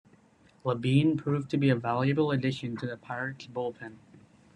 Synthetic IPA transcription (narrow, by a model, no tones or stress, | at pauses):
ləbĩnpʰɹ̥ʉvtʰɨbiɨvælˠjɨbl̩ˠədɪʃɨ̃ntʰɨðɨpʰaɪɹɨkb̥ʊlˠpʰɨ̃n